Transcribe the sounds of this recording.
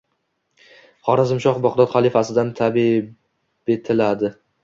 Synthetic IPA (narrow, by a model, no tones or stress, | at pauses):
χɒɾazɪmʃɒχbɒqd̪ɒt̪χalˠɪfasɪd̪ant̪ʰabi | be̞t̪ʰɪlad̪ɪ